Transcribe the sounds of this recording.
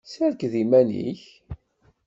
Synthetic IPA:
sæɾkðimænḭç

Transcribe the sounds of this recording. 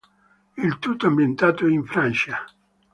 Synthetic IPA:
ilt̪ut̪ːoambjent̪aːt̪oiɱfɾant͡ʃa

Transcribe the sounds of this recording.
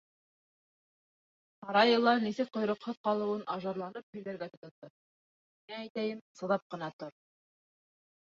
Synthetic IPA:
ɑɾɑjɤ̆lˠɑnisɘk̚qŏjɾŏqhɤðqɑlˠɤ̆wɤnʔɑʒɑɾlˠɑnɤp̚hɵ̆j̪d̪æɾɡæt̪ŏt̪ŏd̪ɤ | minææjt̪æjɘmsɤ̆ðɑp̚qɤ̆nɑt̪oɾ

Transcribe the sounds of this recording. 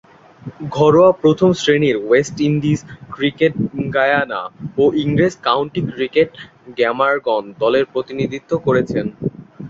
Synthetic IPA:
ɡʱɔɾoapɾot̪ʰomsɾeniɾwesʈiɳɖiskɾikeʈ̚ɡajana̰oʔiŋɾeskawɳʈikɾikeʈ | ɡɛmaɾɡɔnd̪ɔleɾpɾot̪inid̪ʱit̪ːokoɾet͡ɕʰen

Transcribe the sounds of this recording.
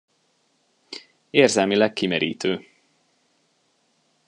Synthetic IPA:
eːrzɛlmilɛkːimɛɾḭːt̪øː

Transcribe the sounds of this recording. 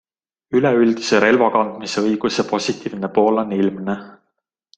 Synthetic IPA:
ylɛyld̪̥ise̞ɾe̞lvɑkɑnd̪̥miseɤjɡ̥use̞po̞sʲit̪ˑiːvne̞po̞ːlonilmne

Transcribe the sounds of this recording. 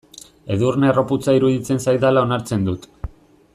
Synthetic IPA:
e̞ðurne̞ro̞put͡saiɾuðit͡se̞nsajd̪alao̞naɾt͡se̞nd̪ut̪

